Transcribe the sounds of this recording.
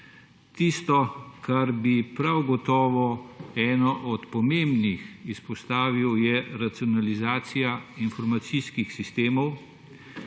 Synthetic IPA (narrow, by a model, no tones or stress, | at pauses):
t̪ist̪ɔkaɾbipɾawɡɔt̪ɔːʋɔɛːnɔʔɔt̪pɔmembnixispɔst̪aːʋiwjɛɾat̪siɔnalizaːt̪sijainfɔɾmat̪siskixsist̪eːmɔw